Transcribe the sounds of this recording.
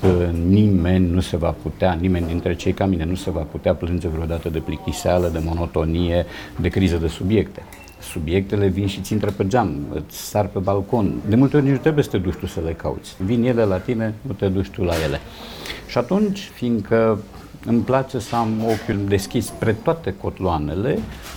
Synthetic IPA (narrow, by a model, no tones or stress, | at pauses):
ənime̞nʲnuse̞vaput̪eanime̞nd̪int̪ɾe̞t͡ʃe̞jkaminenuse̞vaput̪eaplɨnd͡ʒe̞vɾeod̪at̪əd̪e̞plikt̪isealəd̪e̞mo̞no̞t̪o̞nije̞d̪e̞kɾizəd̪e̞subje̞kt̪e̞̥ | subje̞k̚t̪e̞le̞vinʃit̪sʲint̪ɾeped͡ʒamɨ̰sʲsarpe̞balko̞nd̪e̞mult̪eod̪int̪ɾe̞bujesə̥t̪ed̪uʃt̪usəle̞ka̰ṵt̪sʲvinje̞le̞lat̪ine̞nut̪e̞d̪uʃt̪ulaje̞le̞̰ | ʃiat̪unt͡ʃʲfiŋɡkʰə | ɨmplat͡ʃe̞səamo̞kʲjud̪e̞skʲispɾe̞t̪oat̪e̞ko̞t̪loane̞le̞